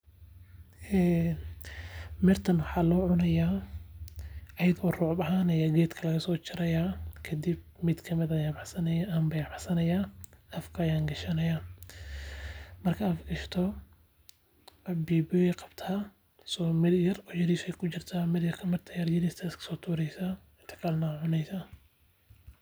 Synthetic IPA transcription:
ɛː | mɛrt̪ʰɐnwʊħɑːlɔːʕʊnɐjaː | ʔɐjɐðɔːrɔːʕbɐɦaːnɐjaːɡɛːd̪kʰɐlɐɣɐsɔːt͡ʃɪɾɐjaːkʰɐd̪ib̚ | mɪd̪kʰɐmɪd̪ajaːbɑħsɐnɐjaʔɐmbɐjabɑħsɐnɐjaːɐfkʰɐjaːŋɡɐʃɐnɐjaː | mɐrkʰɐɐfɡɐʃt̪ʰɔ | biːbɔɛqɑb̥t̪ʰaː | sɔːmɪd̪jɐrɔːjɐɾiʃɛjkʰʊt͡ʃɪrt̪ʰaːmɪd̪jɐrkʰɐmɐrt̪ʰɐjɐrjɐɾist̪ʰaskʰɐ̥sɔːt̪ʰuːɾɛjsa | ɪnt̪ʰɐ̥kʰɐlnɐʕʊnɛjsa

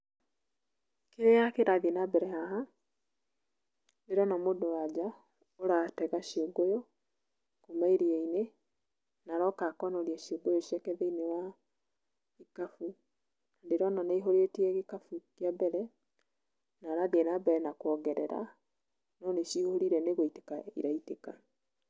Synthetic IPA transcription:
keɾejakeɾaðienabɛɾɛhaɦa | ndeɾɔnamodowad͡ʒa | oɾatɛɣaʃioɡojo | komaiɾiɛine | naɾɔkakɔnɔɾiɛʃioɡojoʃɛkɛðeinewa | ikafu | nandeɾɔnanaiɦoɾetiɛɣekafukjabɛɾɛ | naɾadeɛnabɛɾɛnakwɔɣɛɾɛ̰ɾa̰ | nɔneʃihoɾiɾɛneɣoite̥kaḭɾaiteka

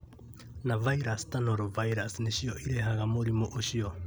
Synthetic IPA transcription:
navajɾastanoɾovajɾasneʃioʔiɾeɦaɡamoɾimoʔoʃio

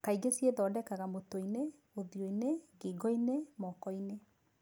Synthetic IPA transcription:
kaiɣesieðɔːdɛkaɣamotoine | oðjoineɡeːɡɔinemɔkɔine

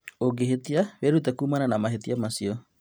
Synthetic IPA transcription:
oɡeɦet̪iaβeɾut̬ɛkuːmananamaɦetiamasiɔ

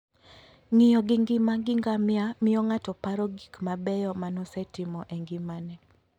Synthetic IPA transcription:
ŋɪjɔɡɪŋɡɪmaɡɪŋɡamɪamɪjɔŋatɔpaɾɔɡikmabɛjɔmanɔsɛtɪmɔʔɛŋɡɪmanɛ

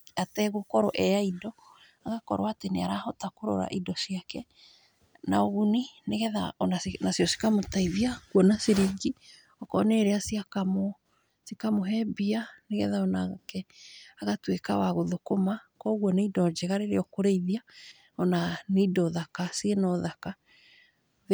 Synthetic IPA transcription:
atɛɣokɔɾɔʔɛaidɔ | aɣakɔ̰ɾw̰aːteneaɾahɔtakoɾɔ̰ɾa̰ʔidɔsiakɛ | naɔɣunineɣɛða̰ɔnasnasiɔsi̥kamotaiðiakwɔnasiɾiɡi | ɔkɔneɾeasiakamo | sikamoɦɛbianeɣɛ̰ðaɔnakɛaɣatwekawaɣoðokomakɔɣwɔneidɔd͡ʒɛɣaɾeɾeɔkoɾeiðia | ɔnaneidɔðakasienɔðaka

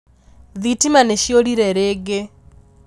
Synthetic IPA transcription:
ðitimaneʃioɾiɾɛɾeːɡe

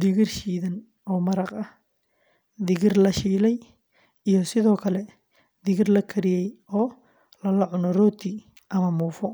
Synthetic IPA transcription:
d̪ɪɣɪrʃiːðɐn | ɔːmɐɾɑqɐh | d̪ɪɣɪrlɐʃiːlɛj | ijɞsɪðɔːkʰɐlɛ | d̪ɪɣɪrlɐkʰɐɾɪjɛjɔː | lɐlɐʕʊnɔrɔːt̪ʰi | ʔɐmɐmuːfɔ

